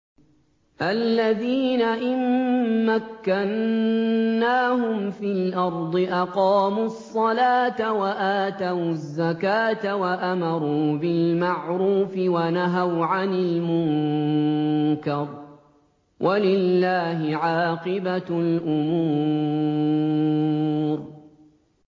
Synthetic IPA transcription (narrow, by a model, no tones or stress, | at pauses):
ʔalːaðiːnaʔɪmːakːanː | aːɦʊmfiːlʔɑɾˤd̪ˤɨʔɑqɑːmuɑsˤːɑlaːt̪awaʔaːt̪awzːakaːt̪awaʔamɑɾˤuːbɪlmaʕɾuːfɪwanaɦawʕanɪlmʊŋ | kɑɾˤ | wʔalɪlːaːɦɪʕɑːqɨbalʔʊmuː | ɾ